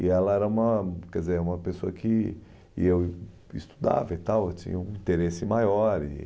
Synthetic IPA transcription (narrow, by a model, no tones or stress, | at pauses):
ɪɛlɐɛɾɐũmɐkɛdd͡ʒɪzeɾũmɐpesoɐkʰɪ | ew | ist̪u̥d̪a̰vɐit̪awewt͡ʃḭ̃ɲɐũĩt̪eɾesɪmajɔɾɪ̰